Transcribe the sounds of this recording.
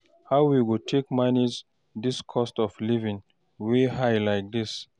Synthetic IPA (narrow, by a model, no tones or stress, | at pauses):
haʊwiwutʰekmaniz | diskʰɔstɔflivĩŋ | wehajlaɪk̚d̪is